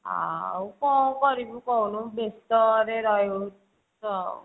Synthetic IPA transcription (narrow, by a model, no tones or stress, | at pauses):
a̰wkɔkɔɾibukɔwnũbest̪ɔɾeɾɔjo | sɔ